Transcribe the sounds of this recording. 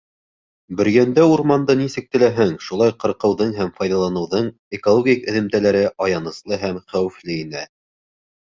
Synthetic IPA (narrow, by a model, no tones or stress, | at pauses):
bɵ̆ɾjænd̪æuɾmɑnd̪ɤnisɘ̆k̚t̪ɘ̆læɦɘŋʃulˠɑjqɤ̆ɾqɤ̆wðɤɴɦæmfɑjðɑlˠɑnɤ̆wðɤɴ | ekolˠoɡʲikɘ̆ðɘ̆mt̪ælæɾɘʔɑjɑnɤ̆slˠɤɦæmχæwɘ̆flɘinæ